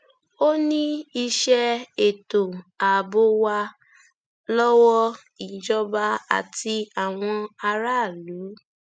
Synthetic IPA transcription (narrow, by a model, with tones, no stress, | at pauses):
o˦nĩ˦i˧ʃɛ˧e˨to˨a˨bo˧˦wa˧ | lɔ˦wɔ˦ | i˨d͡ʒɔ˦ba˧a̰˨ti˧a˨w̃ɔ̃˧a˧ɾa˦˨lu˨˦